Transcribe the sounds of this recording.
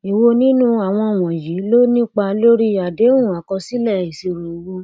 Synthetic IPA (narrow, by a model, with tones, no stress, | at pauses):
i˨wo˧nĩ˦nũ˦a˨w̃ɔ̃˧˨w̃ɔ̃˨ji˨˦lo˦nĩ˦k͡pa˧lo˦ɾi˦a˨de˨˦ũ˦˨a˨kɔ˧si˦lɛ˦˨i˨si˧ɾo˨wu˧